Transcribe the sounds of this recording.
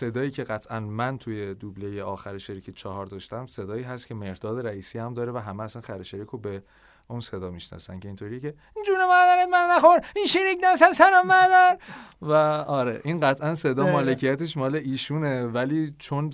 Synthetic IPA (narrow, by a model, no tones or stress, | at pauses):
se̞d̪ɒːiːcʰe̞ɣæt̪ʰʔænmænt̪ʰujed̪ublejeʔɒːxæɾeʃeɾikʰet͡ʃʰɒɦɒɾd̪ɒːʃt̪æmse̞d̪ɒːiːɦæst̪kcʰe̞me̞ɾd̪ɒːd̪eɾæiːsiːæmd̪ɒːɾevæɦæmeːsænxæɾeʃeɾiːkʰobe | unse̞d̪ɒːmiʃnɒ̰sæ̰nce̞int̪ʰoɾiːjecʰe̞ | ind͡ʒuːnemæɾd̪æɾed̪mænnæxoɾinʃeɾikʰnæsæsæɾɒmæɾd̪æɾvæɒːɾeʔinɢæt̪ʰʔænse̞d̪ɒːmɒːlecʰijæt̪ʰeʃmɒːleʔiːʃunevæliːt͡ʃʰon